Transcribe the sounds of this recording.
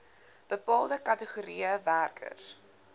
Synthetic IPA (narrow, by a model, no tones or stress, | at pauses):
b̥əpɑːlˠdəkɐtəχuɾiəværkʰə̰rs